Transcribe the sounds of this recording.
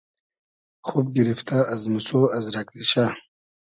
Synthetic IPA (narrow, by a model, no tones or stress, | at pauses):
χup̚ɡiɾift̪ʰaːzmusoːɐzɾakliɕa